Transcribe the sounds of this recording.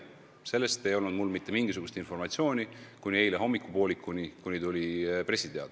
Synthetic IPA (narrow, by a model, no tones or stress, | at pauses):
se̞lːe̞st̪e̞jo̞lnud̪̥mulːmit̪ːe̞miŋɡ̥is̬uɡ̥ust̪info̞rmɑt̪ʲsio̞ːnʲikunʲiejleɦo̞mːikːˑupo̞ːlikːˑunikunʲit̪ulʲipre̞sʲit̪e̞ɑ̰d̪̥